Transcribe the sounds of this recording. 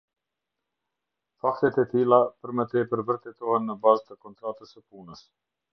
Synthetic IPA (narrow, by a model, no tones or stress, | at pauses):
fakt̪ɛt̪ɛt̪ilˠapəɾmət̪ɛpəɾvəɾt̪ɛt̪ɔhɛnːəbazt̪əkɔnt̪ɾat̪əsəpunəs